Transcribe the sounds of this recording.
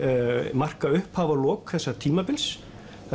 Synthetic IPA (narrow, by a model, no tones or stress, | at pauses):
mar̥kaʏhphaːvalɔːkθɛsːat̪ʰiːmapɪls